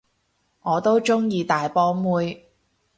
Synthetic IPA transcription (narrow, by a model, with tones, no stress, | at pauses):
ŋɔː˨˧t̪o˥wt͡ʃʊ˥ŋjiː˧t̪aː˨˧jpɔː˥muː˥j